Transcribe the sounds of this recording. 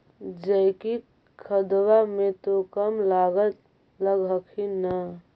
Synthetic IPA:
d͡ʒəɪki | kʰəd̪wamẽt̪okəmlaːɡət̪ | ləɡɦəkʰinə

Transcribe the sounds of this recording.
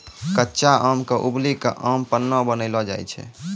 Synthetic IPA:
kətːʃaʔəmkeʔublikeʔəmpənːɔbənəɪlɔd͡ʒa̰jt͡ʃʰɛ̰

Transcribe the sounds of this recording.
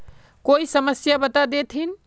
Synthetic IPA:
koisəməsjabət̪ad̪et̪ʰɦin

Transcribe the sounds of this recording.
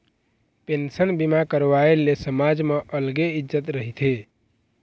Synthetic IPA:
pensənbimakəɾʋaelesəmad͡ʒmeʔəlɡeid͡ʒət̪ɾəɦit̪ʰe

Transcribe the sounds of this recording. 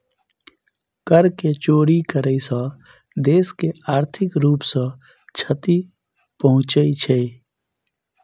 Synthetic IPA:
kəɾket͡ʃoːɾikəɾəisə̃ | d̪eːskeaːɾt̪ʰɪkɾuːpsə̃ | t͡ʃʰət̪i | pəɦʊ̃t͡ʃəit͡ʃʰe

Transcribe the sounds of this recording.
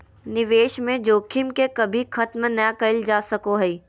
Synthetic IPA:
nɪʋeːʃmẽd͡ʒoːkʰɪmkekɐbʱixʰɐt̪mnjakɐɪld͡ʒaːsɐkoɦɛi

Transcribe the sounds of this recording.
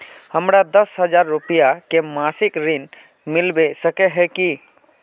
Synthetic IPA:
həmɾad̪əsɦəd͡ʒaɾːupijakemasikɾin | mɪlbesəkɛɦɛki

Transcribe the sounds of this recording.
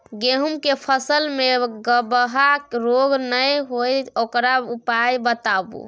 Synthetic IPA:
ɡeɦumkepʰəsəlmeɡəbəɦaɾoɡnəjɦojokɾaupajbət̪abṵ

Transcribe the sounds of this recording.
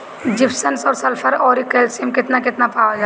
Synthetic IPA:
d͡ʒɪpʰsənsɔːɾsɐlpʰəɾɔːɾikelsimkɪt̪nakɪt̪napaːad͡ʒa

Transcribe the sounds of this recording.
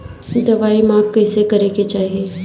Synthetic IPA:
d̪ɐʋaːimãːp̚kɛːsekɐɾeket͡ʃaːɦieː

